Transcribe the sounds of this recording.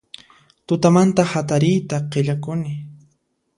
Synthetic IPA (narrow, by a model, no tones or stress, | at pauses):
t̪ʊt̪amant̪ahat̪aɾɪjt̪aqeʎakʊnɪ